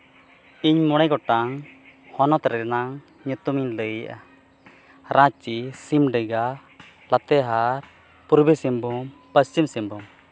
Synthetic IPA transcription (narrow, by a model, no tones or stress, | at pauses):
iɲmɔɽ̃ɛjɡɔʈaŋhɔnɔt̪ɾɛnaŋ | ɲut̪umiɲləjaʔa | ɾʔãt͡ʃisimɖəɡa | lat̪ɛɦaɾ | puɾbisimbumpəst͡ʃimsimbum